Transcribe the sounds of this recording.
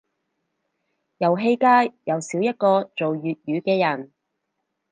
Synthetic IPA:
jɐ˨˩wɦe˥˧jkaː˥jjɐ˨˧wsiː˨˥wjɐ˥t̚kɔː˧t͡so˨wjyː˨t̚jyː˨˧kɛː˧jɐ˨˩n

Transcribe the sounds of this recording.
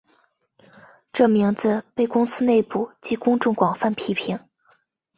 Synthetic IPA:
ʈ͡ʂɤ˥˩mi˧˥ŋd͡zɹ̩˧pe˥˩ɪkʊ˥ŋsɹ̩˥ne˥˩ɪpu˨˩˦t͡ɕi˧˥kʊ˥ŋʈ͡ʂʊ˥˩ŋkwɑ˨˩ŋfa˥˩npʰi˥pʰi˧˥ŋ

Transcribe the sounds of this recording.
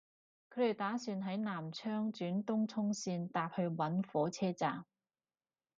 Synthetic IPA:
kʰɵ˨˥e˨˩jt̪aː˨˥syː˧nɦɐ˨˥jnaː˨˩mt͡ʃʰœː˥ŋt͡ʃyː˨˥nt̪ʊ˥ŋt͡sʰʊ˥ŋsiː˧nt̪aː˧p̚hɵ˧ɥwɐ˨˥nfɔː˨˥t͡sʰɛː˥t͡saː˨m

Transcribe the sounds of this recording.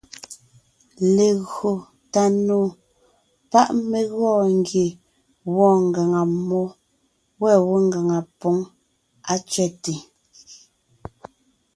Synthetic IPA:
le˨ɣo˨ | ta˨noː˨ | pa˦ʔme˨ɣɔː˦˨ŋ̩˦ɡje˨ | wɔː˦˨ŋ˨ɡa˨ŋa˨mɔ˦ | wɛ˦˨wo˦ŋɡa˨ŋa˨po˨˦ŋ | a˦t͡ʃɥɛ˦˨te˨

